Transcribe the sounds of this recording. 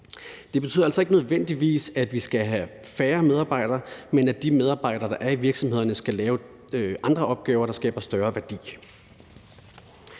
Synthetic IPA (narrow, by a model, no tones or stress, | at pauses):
d̥e̝b̥e̝t͡sʰyðˠɐæl̰sɒ̽e̝ɡ̥ənøðˠʋen̰d̥iʋḭːsæd̥ʋisɡ̥æɦæ | fæːɐmeð̞ˠɑ̈ːb̥ɑ̈ɪ̰d̥ɐmenæd̥imeð̞ˠɑ̈ːb̥ɑ̈ɪ̰d̥ɐːd̥ɑ̈ʔæɐiʋiɐɡ̥sɒmhe̝ð̞̰ˠɐnəsɡ̥ælɛːʊ | ʔɑ̈nd̥ʁɐʔɒ̽b̥̚ɡ̥ɛːʊɐɾɑ̈sɡ̥ɛ̰ːb̥ɐsd̥ɶːɐʋæɐd̥ḭː